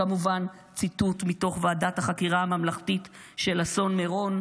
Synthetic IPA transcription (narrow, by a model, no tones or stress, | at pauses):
amuvan | t͡situtmito̞χvaːdathaχakiʁaamamlaχtitʃe̞laso̞nmeʁo̞n